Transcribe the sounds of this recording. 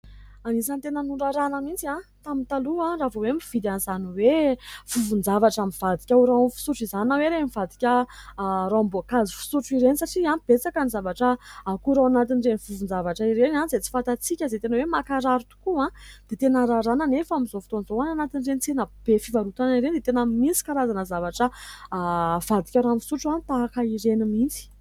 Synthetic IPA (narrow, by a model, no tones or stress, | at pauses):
anisant̪enənuɳɖ͡ʐaɾanamint͡siãt̪amint̪aluãravowemiv̥id̪anizaniwev̥uvund͡zavaʈ͡ʂamiv̥ad̪ikʲauɾaamfi̥suʈ͡ʂizaninaweɾemivad̪ikʲə | ɾambokazifi̥suʈ͡ʂiɾenisaʈ͡ʂiãb̥et͡sakənizavaʈ͡ʂəakuɾawanat̪inrenivuvund͡zavaʈ͡ʂaiɾenanizet͡si̥fant̪at͡sikʲəazet̪enəwemakaɾaɾut̪u̥kuãd̪̥et̪enaɾaɾanənefamizofi̥t̪onzowananat̪inrenit͡senəb̥efivaɾut̪aniɾenid̪et̪enamint͡si̥kaɾazanəzavaʈ͡ʂə | v̥ad̪i̥kʲaɾamfu̥suʈ͡ʂuant̪aakaiɾenimint͡si̥